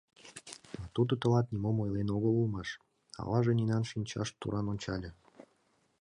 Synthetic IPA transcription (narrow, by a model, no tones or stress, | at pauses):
ɑt̪ud̪ə̆t̪ə̆lɑt̪nʲimomojlenoɣəlulmɑʃ | ɑ̰lɑʒeninɑnʃinʲt͡ɕɑ̰ʃt̪ṵɾʔɑnonʲt͡ɕɑlʲə̆